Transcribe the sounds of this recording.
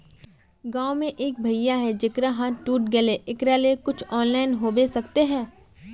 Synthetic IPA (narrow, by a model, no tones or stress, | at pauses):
ɡãːomẽʔeːk̚bʱɐijaɦɛd͡ʒɪkɾaɦãʈuːʈɡɐleʔɪkɾalekʊt͡ʃʰɔːnlaːɪnɦoːbesɐkt̪eɦɛ̃ː